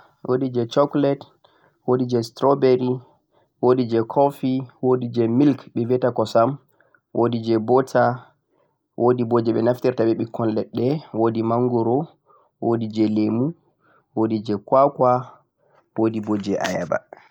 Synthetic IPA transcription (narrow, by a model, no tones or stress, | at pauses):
wʔo̰did͡ʒɛt͡ʃɔklɛt | wodid͡ʒɛstɾɔbeɾi | wodid͡ʒɛkʰɔfiwodid͡ʒɛmilkɓɛvɛtakɔsam | wʔodid͡ʒɛbɔtʰa | wʔodibod͡ʒɛɓɛnaftiɾtaɓɛɓikʰːɔnlɛɗːɛwodimaŋɡuɾɔ | wodid͡ʒɛlemu | wodid͡ʒɛkwakwa | wodibod͡ʒɛʔa̰jaba̰